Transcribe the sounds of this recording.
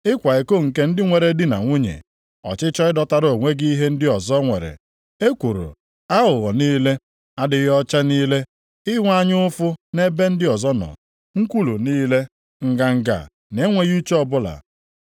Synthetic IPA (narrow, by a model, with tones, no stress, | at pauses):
ɪ˦kʷa˨e˨ko˦˨ŋ̩˨ke˦n̩˦dɪ˦ŋʷe˨ɾe˨˦dɪ˦na̰˨ŋʷu˦ɲḛ˨ | ɔ̰˨t͡ʃɪ˦t͡ʃɔ˦ɪ˦dɔ˦ta˦ɾo˨ŋʷe˦ɡi˦i˦ɦe˦n̩˦dɪ˦ɔ˨zɔ˦ŋʷḛ˨ɾḛ˨ | e˦kʷu˨ɾo̰˨ | a˦ɦʊ˨ɣɔ˨niː˦le˦ | a˦dɪ˨ɣɔ˦t͡ʃa˦niː˦le˦ | ɪ˦ŋʷ˦a˦ɲɪ˦ʊ˦fʊ˦ne˦be˦n̩˦dɪ˦ɔ˨zɔ˦nɔ̰˨ | ŋ̩˦kʷu˦lu˨niː˦le˦ | ŋ̩˦ɡa˦ŋ̩˦ɡa̰˨ | ne˦ŋʷe˦ɣu˦t͡ʃe˦ɔ˦bʊ˦la̰˨